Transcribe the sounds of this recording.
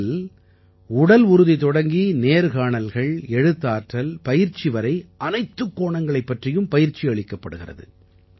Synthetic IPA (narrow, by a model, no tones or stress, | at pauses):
l | ʊɽɐlʊɾɯðit̪ɔɽɐŋɡineːɾɣaːɳɐlɣɐɭɛɻɯt̪ːaːʈrɐlpɐjɪɾt͡ʃːɪʋɐɾɐɪʔɐnɐɪt̪ːɯkːoːɳɐŋɡɐɭɐɪpːɐʈrɪjɯmpɐjɪɾt͡ʃːiɐɭɪkːɐpːɐɽɯɣɪrɐ̰ðɯ̰